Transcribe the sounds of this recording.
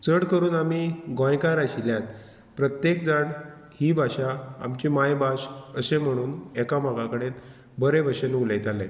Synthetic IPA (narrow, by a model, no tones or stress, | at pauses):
t͡səɽkəɾuːnamiːɡɔ̃jkaɾaɕiljãt̪ | pɾət̪jekd͡zaɳ | hiːbʱaɕaa̰mt͡ɕiːmajbasəsem̤əɽ̃uːnɛkamaɡakəɽet̪ | bəɾebʱəɕenuləjt̪ale